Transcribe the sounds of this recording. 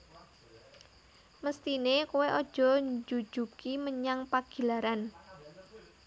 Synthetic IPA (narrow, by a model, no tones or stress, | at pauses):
məst̪inekuweʔɔd̥ʒ̥ɔ̤ɲd͡ʒu̥d͡ʒ̥ukiməɲaŋpaɡ̥i̤laɾan